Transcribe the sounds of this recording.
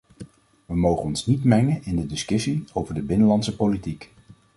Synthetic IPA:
ʋəmowχənɔnsnitmɛŋənɪndədɪskɵsiowvəɹdəbɪnəlɑntsəpolitik

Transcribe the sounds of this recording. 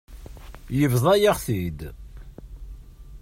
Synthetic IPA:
jəvðˤɑjəʁθid̪

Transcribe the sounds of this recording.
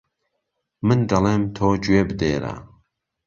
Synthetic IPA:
mɨnd̪ɐleːmt̪ʰoːd͡ʒuwebɨd̪eːɾa̰

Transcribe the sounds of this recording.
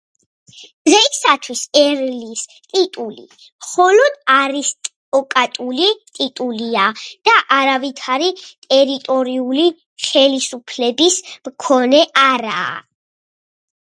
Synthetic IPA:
d̪̥ʁɛisat̪ʰwisɛɾlist̪ʼit̪ʼulḭ | mχɔlɔd̪aɾist̪ʼ | ɔkʼat̪ʼulit̪ʼit̪ʼuliad̪̥aʔaɾavit̪ʰaɾit̪ʼɛɾit̪ʼɔɾiuli | χɛlisupʰlɛbismkʰɔnɛʔaɾa̰ː

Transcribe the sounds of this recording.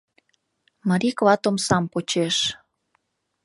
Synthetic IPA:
məɾiklɑt̪omsɑmpot͡ɕeʃ

